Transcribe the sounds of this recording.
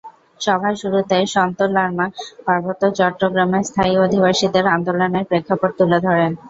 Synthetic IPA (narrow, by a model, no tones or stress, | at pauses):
ʃɔbʱaʃuɾut̪ajʃɔnt̪olaɾmapaɾbot̪ːot͡ɕɔʈːɾoɡɾameɾst̪ʰaiod̪ʱibaʃid̪eɾand̪oloneɾpɾekʰːapoʈ̚t̪uled̪ʱɔɾen